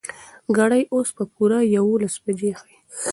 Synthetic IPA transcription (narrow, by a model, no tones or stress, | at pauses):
ɡaɽajʔospəpuɾajawolasbad͡ʒexai